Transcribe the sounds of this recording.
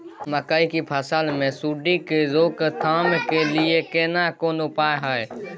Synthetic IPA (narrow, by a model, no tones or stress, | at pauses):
məkaːikipʰəsaːlmẽsuːɖikezoːkt̪ʰaːmkelɪekeːnakoːnopaːjɦaːe